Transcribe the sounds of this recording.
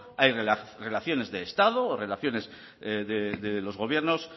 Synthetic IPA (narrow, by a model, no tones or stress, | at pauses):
ajrere̞laθjo̞ne̞zðeːst̪aðo̞ːre̞laθjo̞ne̞z | ðeðelo̞zɣo̞β̞je̞ɾno̞s